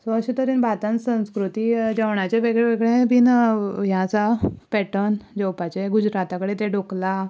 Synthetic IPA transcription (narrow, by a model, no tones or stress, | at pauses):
sɔəɕĩt̪əɾinbʱat̪ãnsə̃w̃skɾut̪id͡ʑaʋɳat͡ɕeʋeɡɭeʋeɡɭẽbʱinɦjãt͡sapɛʈənd͡ʑəwpat͡ɕeɡud͡ʑɾat̪akəɽet̪eɖokla